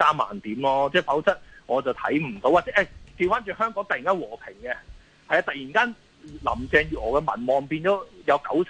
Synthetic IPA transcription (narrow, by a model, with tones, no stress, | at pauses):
saː˥mːa̰ː˨˩nt̪iː˨˥mlɔː˧t͡sɛː˥˩fɐ˨˥wt͡sɐ˥t̚ŋɔː˨˧t͡sɐ˨wt̪ʰɐ˨˥jm̩˨˩t̪o˨˧˥waː˨˩t͡sɛ˥ʔɛ˧˩t̪iː˧nfaː˨˥nt͡ʃyː˨˩ɦœː˥ŋkɔː˨˥ŋt̪ɐ˨ji˨˩ŋkaː˥nwɔː˨˩pʰɪ˨˩ŋkɛ˧ | hɐ˧jaː˧t̪ɐ˨k̚jiː˨˩nkaː˥n˨ | lɐ̰˨˩mt͡sɛː˧ŋjyː˨˧ŋɔː˨˩kɛː˧mɐ̰˨˩nmɔː˨˩ŋpiː˧nt͡sɔː˨˥jɐ˨˧wkɐ˨˥wsʰ